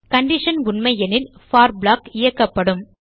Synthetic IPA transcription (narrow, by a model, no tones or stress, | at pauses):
kɐɳɖɪʂɐnʊɳmɐɪjɛnɪlfaːɾblaːkɪjɐkːɐpːɐɽɯm